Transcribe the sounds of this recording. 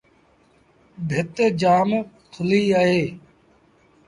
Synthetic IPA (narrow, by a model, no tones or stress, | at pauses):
bʱɪt̪ed͡ʒaːm | kʰʊliːaɦeː